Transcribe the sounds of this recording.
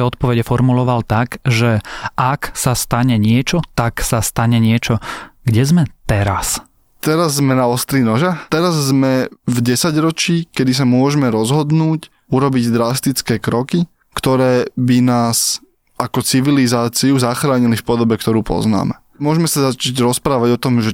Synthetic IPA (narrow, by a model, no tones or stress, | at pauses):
ɛɔt̪̚pɔʋɛɟɛfɔɾmulɔʋalt̪aɡʒɛʔaksast̪aɲɛɲɪɛt͡ʃɔt̪aksast̪aɲɛɲɪɛt͡ʃɔɡɟɛzmɛt̪ɛɾas | t̪ɛɾazːmɛnaɔst̪ɾinɔʒat̪ɛɾazːmɛvɟɛsaɟɾɔt͡ʃiːkɛd̪is̬amʊɔʒɛmɛɾɔzɦɔd̪nuːc | uɾɔbiɟd̪ɾast̪it͡skɛːkɾɔki | kt̪ɔɾɛːbinaːs | ʔakɔt͡siʋilizaːt͡siuzaxɾaːɲilifpɔd̪ɔbɛkt̪ɔɾuːpɔ̰zna̰ːmɛ̰ | mʊɔʒmɛsazat͡ʃaɟɾɔspɾaːʋaɟɔt̪ɔmʒɛ